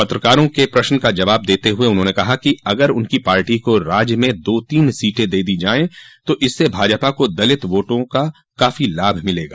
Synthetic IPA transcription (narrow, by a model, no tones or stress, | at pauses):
pɐt̪ɾəkaːɾõkepɾɐʃnəkad͡ʒɐʋaːb̚d̪eːt̪eɦʊeʊnɦõːnekɐɦakiɐɡəɾʊnkipaːɾʈikoɾaːd͡ʒjmẽd̪oːt̪iːnsiːʈẽd̪eːd̪id͡ʒaːẽt̪oʔɪsːebʱaːd͡ʒpakod̪ɐlɪt̪ʋoːʈõka | kaːfilaːbʱmɪleːɡaː